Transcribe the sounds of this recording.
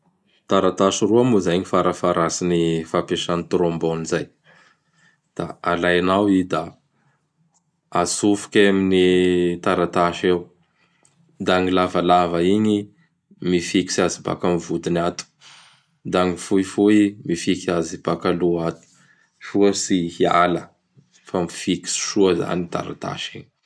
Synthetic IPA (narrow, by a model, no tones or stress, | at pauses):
t̪aɾat̪aʃiruamuzajɲifaɾafaɾasinifapeʃanit̪ɾombonizaj | d̪̥a̰alajnawid̪a | asufu̥kʲaminit̪aɾat̪aʃew | d̪aŋilavalavəiɲi | mifiki̥saziba̰kamivud̪inat̪u̥ | d̪aŋifuifuimifikiazib̥akaluat̪u̥ | ʃuəsihialə | famifiki̥si̥ʃuəza̰nit̪a̰ɾa̰t̪a̰ʃḭɲi